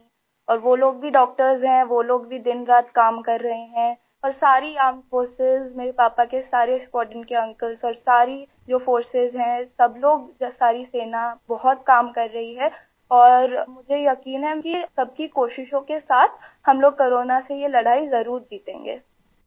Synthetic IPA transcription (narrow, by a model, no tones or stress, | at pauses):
ɔːɾʋoːloːɡ̚bʱiɖɔːk̚ʈəɾzɦɛ̃ʋoːloːɡ̚bʱid̪ɪnɾaːt̪̚kaːmkɐɾːɐɦeɦɛ̃ | ɔːɾsaːɾiaːmfoːɾsɪzmeːɾepaːpakesaːɾeskɔːʈənkeɐ̃ŋkəlzɔːɾsaːɾi | d͡ʒoːfoːɾsɪzɦɛ̃sɐbloːɡsaːɾiseːnabɔɦʊt̪̚kaːmkɐɾːɐɦiɦɛ | ɔːɾmʊd͡ʒʱejɐkiːnɦɛkisɐb̚kikoːʃɪʃõkesaːt̪ʰhɐmloːɡ̚koːɾoːnasejelɐɽ̤aːizɐɾuːɾd͡ʒiːt̪ḛ̃ːŋɡḛː